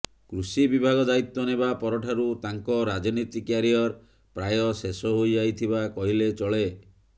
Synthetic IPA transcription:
kɾusibibʱaɡɔd̪ait̪ːɔnebapɔɾɔʈʰaɾut̪aŋkɔɾad͡ʒɔnit̪ikjaɾijɔɾ | pɾajɔsesɔɦojd͡ʒajt̪ʰibakɔɦilet͡ʃɔɭe

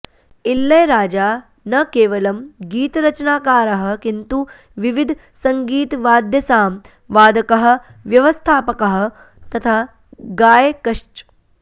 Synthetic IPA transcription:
ilːɐjɾaːd͡ʒaː | nɐkeːʋɐlɐmɡiːt̪ɾɐt͡ʃɐnaːkaːɾɐɦɐ̆kint̪u | ʋiʋid̪ʱ | sɐŋɡiːt̪ʋaːd̪ʱjɐsaːm | ʋaːd̪ʱɐkɐɦɐ̆ | ʋjɐʋɐst̪ʰaːpɐkɐɦɐ̆ | t̪ɐt̪ʰaː | ɡaːjekɐʂt͡ʃ

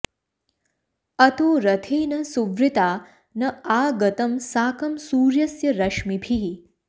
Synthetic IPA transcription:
ɐt̪oːɾɐt̪ʰeːnɐsuʋɾɪt̪aː | nɐaːɡɐt̪ɐmsaːkɐmsuːɾjɐsjɐɾɐʃmibʱiɦ

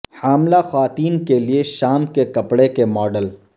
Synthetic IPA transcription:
haːmlaxaːt̪iːnkelieʃaːmkekɐpɽekemɔːɖəl

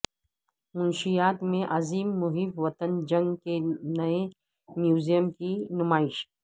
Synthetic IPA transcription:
mʊnʃijaːt̪mẽʔɐziːmːʊɦibʋɐt̪ənd͡ʒɐ̃ŋɡkenɐe | mjuːzijəmkinʊmaːɪʃ

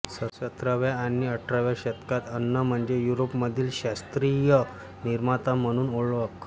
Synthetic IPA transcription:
səɕət̪ɾaʋjaːniəʈʰɾaʋjaɕət̪kat̪ənːəm̤əɳd͡ʑejuɾopməd̪ʱiːlɕast̪ɾijə | niɾmat̪am̤əɽ̃uːnoɭʋək

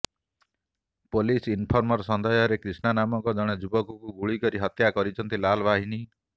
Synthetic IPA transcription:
polisinpʰɔɾmɔɾsɔnd̪ʱɔjɔɾekɾisnanamɔŋkɔd͡ʒɔɽ̃ed͡ʒubɔkukuɡuɭikɔɾiɦɔt̪jakɔɾit͡ʃʰɔnt̪ilalbaɦini

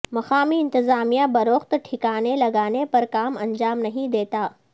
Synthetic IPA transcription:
mɐxaːmiɪ̃nt̪ɪzaːmijabɐɾoːxt̪ʈʰɪkaːnelɐɡaːnepɐɾkaːmɐ̃ɲd͡ʒaːmnɐɦĩd̪eːt̪aː

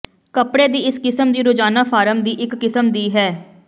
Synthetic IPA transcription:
kəpɽeːd̪iːɪskɪsəmd̪iːɾʊd͡ʒaːnaːpʰaːɾəmd̪iːʔɪkːɪsəmd̪iːɦɛː

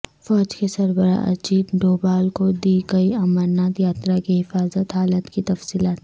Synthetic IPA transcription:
fɔːd͡ʒkesɐɾbəɾa̰ʔɐ̰t͡ʃiːt̪ɖoːbaːlkod̪iːɡɐiɐmaɾnaːt̪jaːt̪ɾakiɦɪfaːzət̪ɦaːlət̪kit̪ɐfsiːlaːt̪

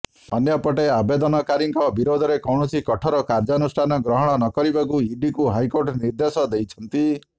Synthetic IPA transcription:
ɔ̰njɔpɔʈeabed̪ɔnɔkaɾiŋkɔbiɾod̪ʱɔɾekɔwɳ̃ɔsikɔʈʰɔɾɔkaɾd͡ʒɔɔnusʈʰanɔɡɾɔɦɔɽ̃ɔnɔkɔɾibakuiɖikuɦajkoɾʈɔniɾd̪esɔd̪ejt͡ʃʰɔnt̪i

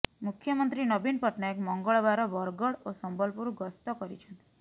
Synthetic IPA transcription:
mukʰːjɔmɔnt̪ɾinɔbinpɔʈnaekmɔŋɡɔɭɔbaɾɔbɔɾɡɔɽosɔmbɔlpuɾuɡɔst̪ɔkɔɾḭt͡ʃʰɔnt̪

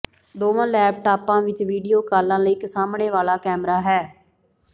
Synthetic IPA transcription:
d̪oːʋãːlɛːpʈaːpãːʋɪt͡ʃʋiːɖijoːkaːlãːləiːkəsaːmɳeːʋaːlaːkɛːmɾaːɦɛː

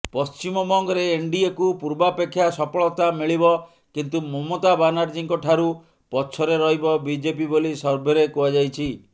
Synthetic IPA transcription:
pɔst͡ʃimɔbɔŋɡɔɾeːɳɖiekupuɾbapekʰːjasɔpɔɭɔt̪amiɭibɔ | kint̪umɔmot̪abanaɾd͡ʒiŋkɔʈʰaɾu | pɔt͡ʃʰɔɾeɾɔɦibɔbid͡ʒepibolisɔɾbʱeɾekuad͡ʒajt͡ʃʰi

